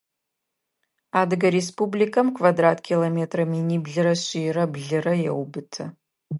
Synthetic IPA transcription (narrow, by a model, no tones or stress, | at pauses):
aːdɨɡɐɾespublikʰɐmkʰvadraːtʰkʲʰilometʰrɐminiːbɮɨɾɐɕiːrɐbɮɨrɐjɛwbɨtʰɐ